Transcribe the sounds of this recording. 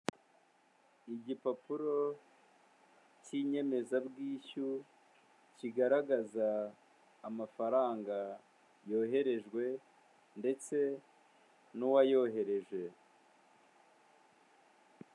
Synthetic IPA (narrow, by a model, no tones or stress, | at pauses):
iɟipapuɾo̞ | ciɲe̞me̞zabɡiːçu | ciɡaɾaɡazaː | mafaɾaːŋɡa | jo̞ːɦe̞ɾe̞ʒɡwe̞ | nde̞t͡se̞ | nuwajo̞ɦe̞ɾe̞ʒwe̞